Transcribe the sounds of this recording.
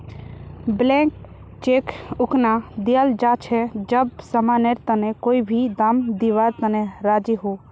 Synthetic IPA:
blɛ̃k | t͡ʃekʊknad̪iald͡ʒat͡ʃʰɛd͡ʒəbsəmaneɾt̪ənekoːibʱid̪amd̪iʋaɾt̪əneɾad͡ʒiɦo

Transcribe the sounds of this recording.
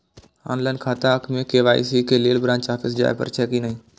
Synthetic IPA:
a̰ːnlaːɪnkʰaːt̪aəkʰmẽkeːʋaːḭsikeleːlbɾãːnt͡ʃaːpʰɪs̬d͡ʒa̰ːḛpə̰ɾt͡ʃʰɛːkinəɦĩː

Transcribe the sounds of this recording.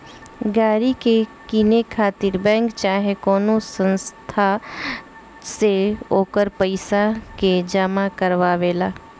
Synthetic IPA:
ɡaːɾikekinekʰaːt̪ɪɾbɛ̃ːŋkt͡ʃaːɦekɔːnosə̃nst̪ʰa | seoːkəɾpəɪsaked͡ʒamakəɾʋaʋeːlaː

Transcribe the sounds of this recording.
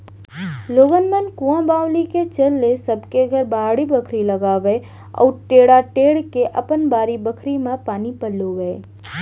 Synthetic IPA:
loːɡənmənkũãbaːwliket͡ʃəlːesəbkeɡʱəɾbaːɽibəkʰɾiləɡaːʋe | ɔ̰ːʈeːɽaʈeːɽkeʔə̰pənbaːɾibəkʰɾimãpaːnipəlːoɡəe

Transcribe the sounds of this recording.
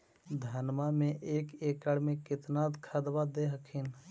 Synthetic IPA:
d̪ʱənmamẽʔeːkeːkəɽmẽkɪt̪naːd̪kʰəd̪ʋad̪eːɦəkʰɪn

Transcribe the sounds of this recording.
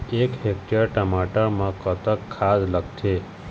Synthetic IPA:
ekɦekʈəɾʈəmaʈəɾmãkət̪əkʰːad̪ləkt̪ʰe

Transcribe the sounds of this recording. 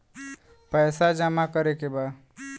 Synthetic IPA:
pəɪsad͡ʒəmakəɾekeba

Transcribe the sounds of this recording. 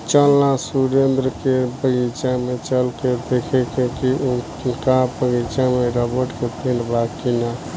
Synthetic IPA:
t͡ʃəlːãsuɾend̪ɾəkepəɡit͡ʃamet͡ʃəlked̪ekʰekekiu | kapəɡit͡ʃãmeɾəbəɾʈkep̪eɳɖbʱakːina

